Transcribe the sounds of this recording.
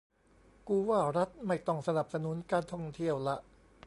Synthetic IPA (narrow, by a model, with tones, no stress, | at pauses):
kuː˧waː˥˩ɾa˦˥t̪̚ma˥˩jt̪ɔ˥˩ŋsa˧na˨˩p̚sa˧nu˨˦˥nkaː˧nt̪ʰɔ˥˩ŋt̪ʰi˥˩əwla˦˥ʔ